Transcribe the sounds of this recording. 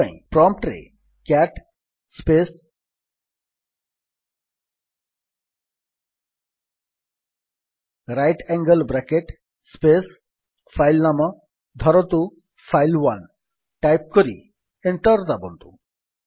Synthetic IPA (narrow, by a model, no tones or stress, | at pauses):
ã̰ĩpɾɔmp̚ʈɾḛ | kɛʈ | spes | ɾajʈɛŋɡəlbɾakeʈ | spes | fʰajlnamɔ | d̪ʱɔɾɔt̪u | fʰajlwan | ʈajp̚koɾḭ | eɳʈɔɾd̪abɔnt̪ṵ